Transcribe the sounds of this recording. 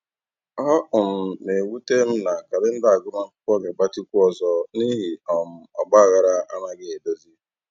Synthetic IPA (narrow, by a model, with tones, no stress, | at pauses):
ɔ˦ʔʊ˨m̩˨ne˨wu˦te˦m̩˦na˨ka˨dɪ˦n̩˦da˦a˨ɡʊ˦ma˦kʊ˦kʷɔ˦ɡe˨ba˦ti˦kʷu˦ɔ˦zɔ˦ni˦ɦi˨ɔ˨m̩˨ɔ̰˨ɡ͡ba˦a˨ɣa˨ɾa˦a̰˦na˦ɡɪ˦˨do˦zi˦